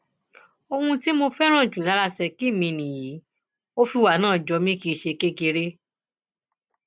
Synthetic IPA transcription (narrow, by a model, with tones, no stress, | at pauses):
o˧hũ˧ti˦mo˧fɛ˦ɾ̃ã˦˨d͡ʒu˨la˨˦ɾa˧sɛ˧ki˦˨mĩ˧nĩ˨ji˨˦ | o˦fi˧wa˨nãː˦˨d͡ʒɔ˧mĩ˦ki˧˦˧ʃe˧ke˦ɡe˧ɾe˦